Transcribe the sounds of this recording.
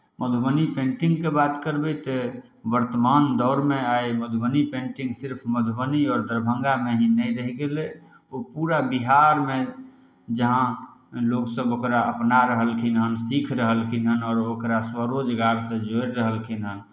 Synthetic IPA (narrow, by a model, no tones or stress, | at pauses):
məd̪ʱbənipẽɳʈĩŋɡ̚kebat̪kəɾbɛt̪e | bəɾt̪əmand̪ɔʊɾmeajməd̪ʱbənipẽɳʈĩŋɡsiɾpʰməd̪ʱbəniɔːɾd̪əɾbʱə̃ŋɡameɦĩnəjɾəɦiɡelɛ | opuɾabiɦaɾme | d͡ʒəɦã | loɡsəbokɾaəpnaɾəɦəlkʰinɦənsikʰɾəɦəlkʰinɦənɔːɾokɾaswəɾod͡ʒɡaɾsə̃d͡ʒoɾːəɦəlkʰinɦən